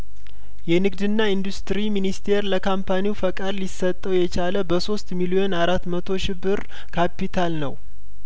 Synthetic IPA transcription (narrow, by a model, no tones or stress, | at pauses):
jɛnɨɡd̪ɨnːaind̪ust̪ɾiminist̪ʰe̞ɾləkʰampʰaniwfəkʼad̪lisːət̪ʼːəwjɛt͡ʃaləbəso̞st̪milio̞naɾat̪ːmət̪ʰo̞ʃɪbːɨɾ | kʰapit̪ʰalnəw